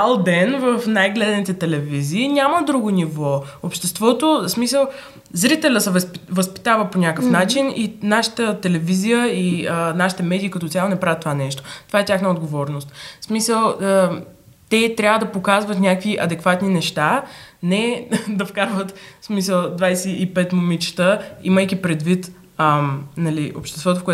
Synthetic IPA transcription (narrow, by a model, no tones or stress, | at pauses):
alˠb̪ɛnvəfnajɡlɛd̪nit̪ɛt̪ɛlɛviziːnʲaməd̪ɾuɡonivɔopʃt̪ɛst̪vɔt̪osmisəlˠ | zɾit̪ɛlʲəsɛvpvəspi̥t̪avəponʲakəfnat͡ʃininaʃə̥t̪ət̪ɛlɛvizijəiənaʃi̥t̪ɛmɛd̪iːkɐt̪ɔt̪sʲalˠonɛpɾavʲjət̪ːovanɛʃt̪o̥t̪ovaɛt̪ʲaxnəod̪ɡovɔɾnost̪smisəlˠə | t̪ɛt̪ɾʲabvəd̪ɐpokazvət̪nʲakviʔɐd̪ɛkvat̪ninɛʃt̪anɛd̪ɐfkaɾvət̪smisəlˠd̪vajsɛipɛt̪momit͡ʃt̪əḭməjkʲipɾɛd̪vit̪ | ənɐlio̰pʃt̪ɛst̪vɔt̪ofkoɛ